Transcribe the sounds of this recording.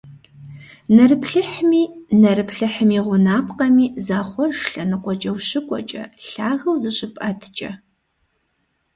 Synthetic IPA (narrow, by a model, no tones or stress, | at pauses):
nɐrɨpʰɬɨħmiːnɐrɨpʰɬɨħmiːʁʷʊnaːpʰʼqɐmiːzaːχʷɔrʂɬɐnɨqʷɔt͡ʃʼɐwɕɪkʷʼɔ̰t͡ʃʼɐ̰ɬaːʁɐwzɨɕʼɪpʼɐtʰt͡ʃʼɐ̰